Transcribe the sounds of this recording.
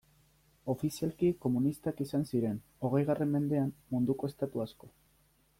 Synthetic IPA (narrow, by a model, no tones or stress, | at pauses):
o̞fisialkiko̞munist̪akisansiɾen | o̞ɣ̞e̞jɣ̞arʔe̞mːe̞nd̪e̞ammund̪ukoe̞st̪at̪uasko̞